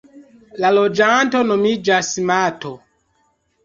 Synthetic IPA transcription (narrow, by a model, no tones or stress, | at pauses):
lalod͡ʒantonomid͡ʒasimato